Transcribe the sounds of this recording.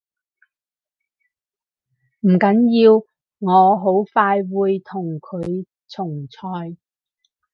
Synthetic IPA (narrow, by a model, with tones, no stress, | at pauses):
m̩˨˩kɐ˨˥njiː˧w | ŋɔː˨˧ɦo˨˥wfaː˧jwuː˨˧jt̪ʰʊ˨˩ŋkʰɵ˨˧ɥ | t͡sʰʊ˨˩ŋt͡sʰɔː˧j